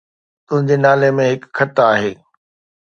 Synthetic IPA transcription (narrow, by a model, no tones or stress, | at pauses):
t̪ʊ̃ɦɪ̃ɲd͡ʑenaːlemẽɦɪkkʰːɐt̪aːɦeː